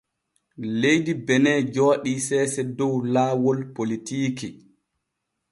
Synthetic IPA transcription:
lejdibɛnɛːd͡ʒɔːɗisɛːsɛdɔwlaːwɔlpolitiːki

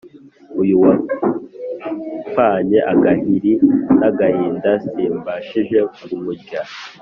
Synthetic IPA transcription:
ujuwa | faːɲe̞ʔaɡaɦiɾinaɡahiːndasiːmbaʃiʒe̞umuɟa

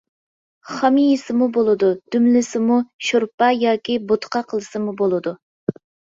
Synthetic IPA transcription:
χɑmijisɪmubolˠɨd̪ud̪̥ymlɪsɪmuʃoɾpɑjɑːkʲibot̪ʰqʰɑqʰəlˠɨsɨmubolˠɨd̪u

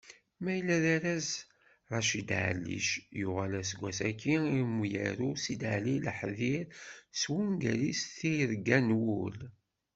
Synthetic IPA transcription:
mæjlːæðæɾæz | ʁˤɑʃid̪ʕ̰lːḭʃjʊʁalæsɡʷæsækːiimujæ̰ɾusid̪ʕliləħðiɾswunɡælisθiɾɡænwul

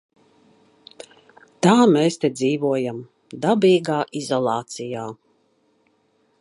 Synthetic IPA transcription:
t̪aːmeːst̪ed̪ziːvuɔjam | d̪abiːɡaːʔizɔlˠɑːt̪sijaː

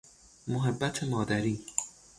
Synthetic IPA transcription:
moɦebːæt̪ʰemɒːd̪æɾiː

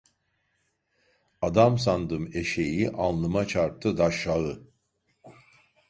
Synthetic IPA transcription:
ad̪ams̬and̪ɯme̞ʃejiʔanlˠɯmat͡ʃʰaɾp̚t̪ʰɯd̪aʃaɣɯ

